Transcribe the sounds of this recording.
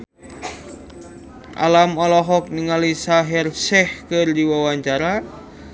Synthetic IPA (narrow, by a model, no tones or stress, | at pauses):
ʔa̰lamɔlɔɦɔk̚niŋalisaɦɛrsɛhkɨrdiwawaɲt͡ʃaɾa